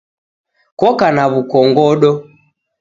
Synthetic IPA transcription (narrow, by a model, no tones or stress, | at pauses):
kɔkanaβukɔŋɡɔɗɔ